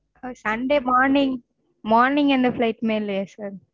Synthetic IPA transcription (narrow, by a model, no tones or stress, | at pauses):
sɐnɖeːmaːɾnɪ̃ŋɡ | moːɾnɪ̃ŋɡɛnd̪ɐflɐɪʈːmeːlːɐjɐsaːɾ